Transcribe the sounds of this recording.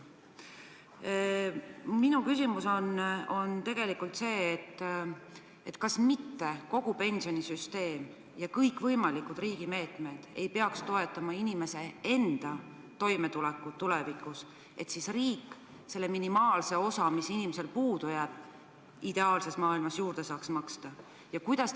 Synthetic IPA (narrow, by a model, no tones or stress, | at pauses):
minukysimuso̞no̞nt̪e̞ɡ̥e̞likult̪se̞ːt̪ː | et̪ːkɑsmit̪ːe̞ko̞ɡ̥upe̞nʲsio̞nisyst̪e̞ːm | jɑkɤjkːvɤjmɑlikːud̪riːɡ̥ime̞ːt̪me̞d̪̥e̞jpe̞ɑkst̪o̞e̞t̪ːˑɑmɑinime̞se̞e̞nd̪̥ɑ | t̪o̞jme̞t̪ulɛkːˑut̪ulɛvikːus | e̞t̪sisriːkːˑ | se̞lːeminimɑːlse̞o̞sɑmisinimese̞lpuːd̪̥ujæːb̥̚ | id̪̥e̞ɑːlse̞smɑːilmɑsjuːɾd̪̥e̞sɑːksmɑkst̪ɑ | jɑkujd̪̥ɑs